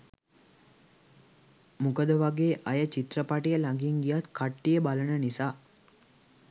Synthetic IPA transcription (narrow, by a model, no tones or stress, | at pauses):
mukəd̪əʋaɡeːʔɐjət͡ʃit̪rəpaʈijəlaŋɡiŋɡijat̪kʰaʈːijəbalənənisaː